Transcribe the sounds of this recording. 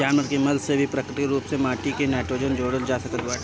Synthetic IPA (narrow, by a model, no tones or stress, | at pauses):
aːnməɾkemɐlsebʱipɾəkɾɪʈɾuːpsemaːʈikenɛːʈɾoːd͡ʒənd͡ʒoːɽəld͡ʒaːsɐkət̪baːʈ